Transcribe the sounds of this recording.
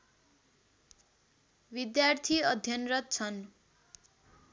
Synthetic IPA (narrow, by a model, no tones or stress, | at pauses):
bid̪jart̪ʰiʌd̪ʱjʌnrʌt̪̚t͡sʰʌn